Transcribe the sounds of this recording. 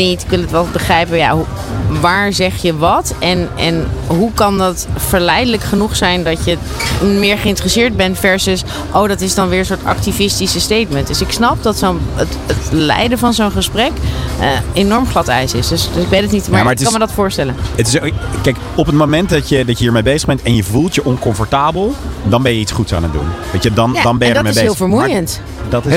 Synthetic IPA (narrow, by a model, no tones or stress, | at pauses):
nitɪkʋɪlˠətʋɛlˠbəχrɛjpəja̰ɦuʋaːɹzɛχjəʋɑtɛnɛnɦukɑndɑtfəɹlɛjdələkχənuχsɛjndɑcə | mɪːɹχəɪntərəsɪːɹd̚bɛnfɛɹsəs | ʔowdɑtɪsdɑnʋɪːɹənsʊːɹtɑ̰ktivɪstisəstejtməntd̥øsɪksnɑp̚dɑtsonət | ətlɛ̰jdəvɑnzownχəsprɛkəejnɔɹmχlɑtɛ̰jsɪsdøsdsɪɡbɛnətnitmamaɹətɪɑnmədɑtfʊːɹstɛlənətɪskɛjk | ɔpətmomɛntdɑtjədɑcjəɦiːɹmejbejzə̥ʁbɛntɛnjəvulˠtjəʔɔnkɔɱfɔɹtaːbəlˠdɑnbɛjəitsχutsa̰ːnədṵnʋɑjədɑndɑnbɛdmɦɪːlˠfəɹmujənt | dt